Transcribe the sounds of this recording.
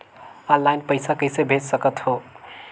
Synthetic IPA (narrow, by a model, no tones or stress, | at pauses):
ənlːajnpəɪsakəɪsebʱed͡ʒsəkət̪ho